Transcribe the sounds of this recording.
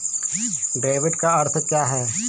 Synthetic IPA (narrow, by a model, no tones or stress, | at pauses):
ɖeːʋɪɖkaɐɾt̪ʰt͡ʃaːɦɛː